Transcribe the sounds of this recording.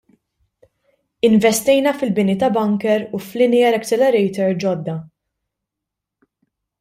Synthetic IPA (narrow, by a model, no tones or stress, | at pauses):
ɪnvɛst̪ɛjnɐfɪlbɪnit̪ɐbɐŋkɛɾuflɪnɪɐɾɐkt͡ʃɛlɛɾɛjt̪ɛɾd͡ʒɔd̪ːɐ